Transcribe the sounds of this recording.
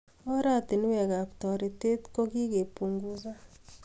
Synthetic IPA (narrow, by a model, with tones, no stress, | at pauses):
ɔ˦ɾa˦˨ti˨n˦wɛ˨ka˨pt̪ɔ˨ɾi˨te˦tko˦ki˦ke˨pu˨ŋɡu˨s̬a˦